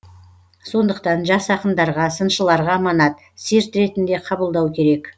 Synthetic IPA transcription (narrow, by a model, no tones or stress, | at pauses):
so̞nd̪əqt̪ɑnʒɑsɑqənd̪ɑɾʁɑsənʃəlˠɑɾʁɑmɑnɑt̪ | seɾt̪ɾe̞t̪ɪnd̪e̞qʰɑbəlˠd̪ɑwkʲʰe̞ɾe̞k